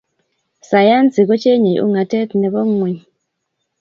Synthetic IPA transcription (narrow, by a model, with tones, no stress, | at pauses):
sa˨ja˦nt͡si˨kɔ˦t͡ʃe˦ɲe˨jṵ˦ŋa˨tɛ˦t̪nɛ˨bɔ˦ŋwi˨